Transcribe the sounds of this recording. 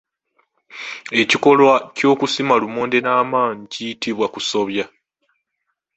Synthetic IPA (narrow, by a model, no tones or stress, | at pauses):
e̞ciko̞lwaco̞ːkusimalumoːnde̞naːmaːɲicijitiβwakuso̞βja